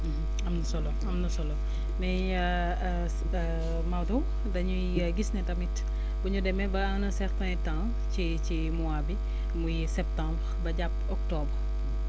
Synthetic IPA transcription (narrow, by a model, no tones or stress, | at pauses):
ɐmnɐsɔlɔɐmnɐsɔlɔ | mɛ | mawdu | dɐɲu | ɡisnɛtɐmit | buɲudɛmɛbɐɐŋnɐsɛɾtɛ̃tã | ci | t͡ʃi | muabi | mujisɛp̚tãmbɾbɐɟapɔk̚tɔbr